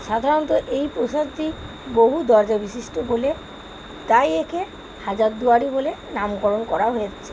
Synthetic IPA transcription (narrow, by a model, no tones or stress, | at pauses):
ʃad̪ʱaɾont̪oʔejpɾoʃat̪i | boɦud̪ɔɾd͡ʑabiʃiʃʈobole | t̪ajekʰe | had͡ʑaɾd̪uaɽibolenamkɔɾonkɔɾaɦojet͡ɕʰe̥